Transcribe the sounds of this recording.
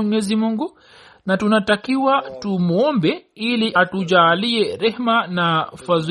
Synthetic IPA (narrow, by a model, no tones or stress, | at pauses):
ɲɛzimuŋɡu | natunatakiwatumɔmbɛiliʔatuʄaːliɛɾɛhmanafaz